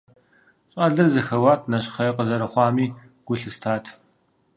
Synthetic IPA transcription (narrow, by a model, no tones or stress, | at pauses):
ɕʼaːɮɨrzɐxɐwaːtʰnɐɕχɐjɐqəzɐɾɐχʷɑːmiː | ɡ̥ʷʊɬɨstʰaːtʰ